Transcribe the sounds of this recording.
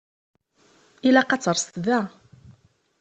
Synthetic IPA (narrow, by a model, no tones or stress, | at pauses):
ilæqɑt͡sːəɾˤst̪ðæ